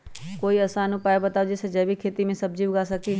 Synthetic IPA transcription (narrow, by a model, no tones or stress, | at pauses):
koːiɐsanupaːjbɐt̪aːod͡ʒesed͡ʒɐbʱikʰeːt̪imẽsɐb̚d͡ʒiːɡasɐki